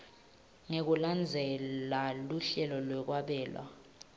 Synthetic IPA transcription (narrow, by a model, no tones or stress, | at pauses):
ŋek̬uland͡zʱɛlaluɬɛlɔlwɛk̬waɓɛːlwa̰